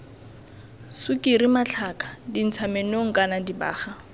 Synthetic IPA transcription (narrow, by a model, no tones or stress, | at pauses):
sʊkʼiɾimat͡ɬʰakʰʼḁdin̩t͡sʰamenoŋ̩kʼanadiba̰ːχa